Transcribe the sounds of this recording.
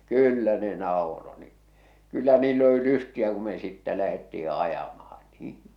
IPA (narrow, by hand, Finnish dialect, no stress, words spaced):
kyːlːæ ne nɑˑoro ni kylːæ niːlː oli lystiæ ku me sitːæ læhetːii ɑjɑmɑh̞ɑ̥n̥ niː